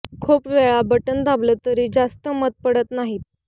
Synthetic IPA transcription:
kʰuːpʋɛɭabəʈənd̪ablət̪əɾiːd͡zast̪əmət̪̚pəɽət̪naɦiːt̪̚

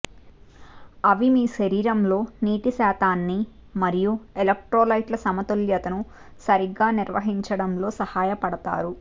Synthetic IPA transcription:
ɐʋimiːʃɐɾiːɾɐmlo̞ːniːʈisaːt̪aːnːi | mɐɾijuelek̚ʈɾoːlɐjʈlɐsɐmɐt̪oljɐt̪ɐnu | sɐɾiɡːaːniɾʋɐ̰ɦiɲt͡ʃɐɽɐmlo̞ːsɐhaːjɐpɐɽɐt̪a̰ːɾu

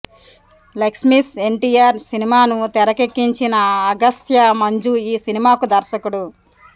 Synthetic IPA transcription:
leksmise̞ɳʈiːjaːɾsinimaːnut̪ɛɾɐke̞kːiɲt͡ʃinɐːɡɐst̪ʰjɐmɐɲd͡ʒuiːsinimaːkud̪ɐɾʃɐkuɽu

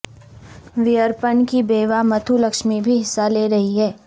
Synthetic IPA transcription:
ʋɪjəɾpənkibeːʋamɐt̪ʰulɐkʃmibʱiɦɪsːaleɾɐɦiɦɛː

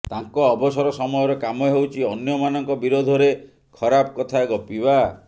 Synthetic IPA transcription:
t̪aŋkɔːbɔsɔɾɔsɔmɔjɔɾɔkamɔjɔɦewt͡ʃʰiɔnjɔmanɔŋkɔbiɾod̪ʱɔɾe | kʰɔɾapkɔt̪ʰaɡɔpiba

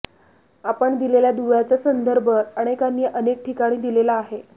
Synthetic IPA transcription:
apəɳd̪ileljad̪uʋjat͡sasənd̪əɾbʱəaɽ̃ekanːjəʔənek̚ʈikaɽ̃iːd̪ilelaːɦe

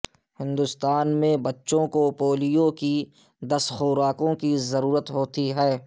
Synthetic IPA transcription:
hɪ̃nd̪ʊst̪aːnmẽbɐtːʃõkopoːlijõki | d̪ɐsxoːɾaːkõkizɐɾuːɾət̪ɦoːt̪iɦɛː

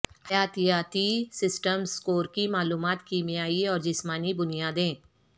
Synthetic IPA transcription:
hɐjaːt̪ijaːt̪isɪsʈəmskoːɾkimaːluːmaːt̪kiːmijaːiɔːɾd͡ʒɪsmaːnibʊnijaːd̪ẽː

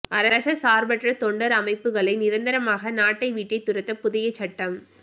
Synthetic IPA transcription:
ʔɐɾɐɾɐsɐsaːɾbɐʈrɐt̪ɔɳɖɐɾɐmɐɪpːɯɣɐɭɐɪnɪɾɐnd̪ɐɾɐmaːɣɐnaːʈːɐɪʋiːʈːɐɪt̪ːʊɾɐt̪ːɐpʊðɪjɐt͡ʃːɐʈːɐm

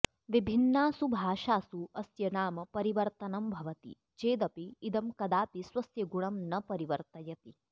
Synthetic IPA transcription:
ʋibʱinːaːsubʱaːʃaːsuɐsjɐnaːmɐpɐɾiʋɐɾt̪ɐnɐmbʱɐʋɐt̪ḭ | t͡ʃeːd̪ɐpiːd̪ɐmkɐd̪aːpiswɐsjɐɡuɳɐmnɐpɐɾiʋɐɾt̪ɐjɐt̪i

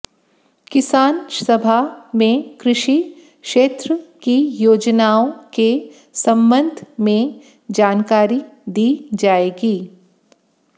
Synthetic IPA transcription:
kɪsaːnsɐbʱamẽkɾɪʃi | kʃeːt̪ɾəkijoːd͡ʒnaːõke | sɐ̃mbə̃nd̪ʱmẽ | d͡ʒaːnkaːɾid̪iːd͡ʒaːeːɡiː

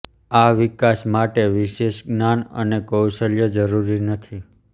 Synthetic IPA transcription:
aʋɪkasmaʈeʋiʃeʃɡnanə̰nekəwʃəljəd͡ʒəɾuɾinət̪ʰi

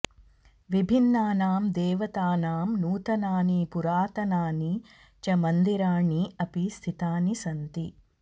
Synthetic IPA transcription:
ʋibʱinːaːnaːmd̪eːʋɐt̪aːnaːmnuːt̪ɐnaːnipuɾaːt̪ɐnaːni | t͡ʃɐmɐnd̪iɾaːɳiɐpist̪ʰit̪aːnisɐnt̪i

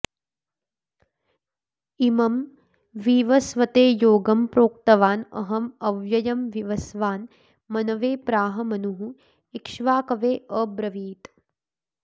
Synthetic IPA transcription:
imɐm | ʋiːʋɐsʋɐt̪eːjoːɡɐmpɾoːk̚t̪ɐʋaːnɐ̰ɦɐmɐʋjɐjɐmʋiʋɐsʋaːn | mɐnɐʋeːpɾaːɦɐmɐnuɦu | ikʃʋaːkɐʋeːʔəːbɾɐʋiːt̪

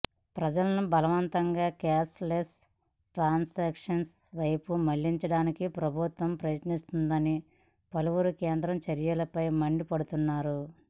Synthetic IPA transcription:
pɾɐd͡ʒɐlɐnubɐlɐʋɐnt̪ɐŋɡaːkɛːsles | ʈɾaːnseːkʂɐns | ʋɐjpumɐɭːiɲt͡ʃɐɽaːnikipɾɐbʱut̪ʋɐmpɾɐjɐt̪nist̪und̪ɐni | pɐluʋuɾukeːnd̪ɾɐmt͡ʃɐɾjɐlɐpɐjmɐɳɖipɐɽut̪unːaːɾu

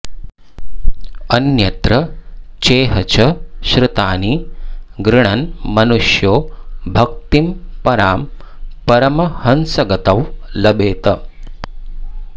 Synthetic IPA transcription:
ɐnjɐt̪ɾɐt͡ʃeːɦɐt͡ʃɐʃɾɪt̪aːniɡɾɪɳɐnmɐnuʃjoːbʱɐk̚t̪impɐɾaːm | pɐɾɐmɐhɐnsɐɡɐt̪ɐʋlɐbeːt̪ɐ

